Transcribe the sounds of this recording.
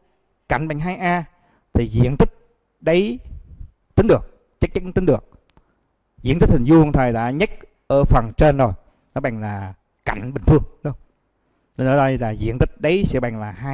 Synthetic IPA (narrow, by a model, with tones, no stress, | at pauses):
ka̰˧˩jŋ̟ɓa̰˨˩ŋɦaː˧jʔaː˧ | t̪ʰi˨˩zḭ˧˥ənt̪ï˦˥k̚ | ɗə˨˦j | t̪ï˧˦ŋɗɨ˨˩ək̚ | t͡ɕə˦˥k̚t͡ɕa˨˦˥nt̪ŋ̟ɗɨ˨˩ək̚ | zḭ˧˥ənt̪i˦˥k̚t̪ʰi˨˩ŋzu˧˩ŋt̪ʰwəː˨˩jɗa̰ː˧˥ɲə˦˥k̚ | ʔəː˧˩fə˨˩ŋt͡ɕe˧nzo˨˩j | nɔ˨˦ɓa̰˨˩ŋlaː˨˩ | ka̰˧˨jŋ̟ɓï˨˩ŋ̟fɨ˧əŋɗŋ͡m | ɗə˧˦nəː˨˦ɔ˧˩˧laː˨˩zḭ˧˥ənt̪ï˦˥k̚ɗə˨˦jsɛ̰˧˥ɓa˨˩ŋlaː˨˩haː˧